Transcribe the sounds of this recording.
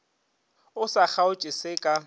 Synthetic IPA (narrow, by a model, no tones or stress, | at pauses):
ʊsak͡xaʊt͡ʃʼɪsɪkʼa